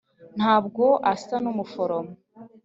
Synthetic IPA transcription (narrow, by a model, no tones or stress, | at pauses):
n̥haːb̚ɡo̞ʔasanumufoɾomo